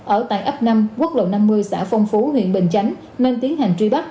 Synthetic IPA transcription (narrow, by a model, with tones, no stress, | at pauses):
ʔəː˧˩t̪a̰ː˧˨jʔa˦˥p̚na˧mku˦˥ət̚lo̰˧˨na˧mːɨ˧əjsa̰ː˧˩fɔ˧wŋ͡mfu˨˦ɦwḭ˧˨ənɓï˧˨˩ŋ̟t͡ɕa˨˦jŋ̟ | ne˧nt̪i˨˦ənha˨˩ŋ̟t͡ɕwi˧ɓa˦˥k̚